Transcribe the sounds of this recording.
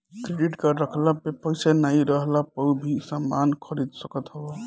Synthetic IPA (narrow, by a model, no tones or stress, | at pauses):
kɾeɖiʈkəɾəkʰlapepəjsanaiɾəɦlapəbʱisamːankʰəɾid̪səkət̪ɦəba